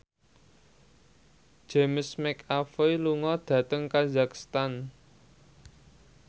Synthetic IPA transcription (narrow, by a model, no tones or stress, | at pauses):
d͡ʒ̥emsmɛkafejluŋɔd̪̥ä̤t̪əŋkazakst̪an